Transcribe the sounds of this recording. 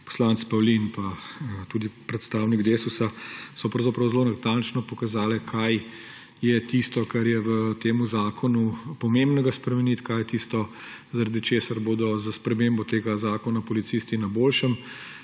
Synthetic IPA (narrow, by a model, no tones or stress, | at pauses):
pɔ̥slaːnt̪spɐwlinpat̪uːd̪ipɾɛt̪st̪aːwniɡd̪eːsusasɔpɾɐwzɐpɾɐwzlonat̪ant͡ʃnɔpɔkazaːlɛkʰaj | jɛt̪ist̪ɔkaɾjɛʋət̪eːmuzaːkʰɔnupɔmembnɛɡaspɾɛmɛnit̪kaːjɛt̪ist̪ɔ | zaɾad̪it͡ʃeːsaɾboːd̪ɔzaspɾɛmembɔt̪eːɡazaːkɔnapɔlit̪siːst̪inaboːlʃəm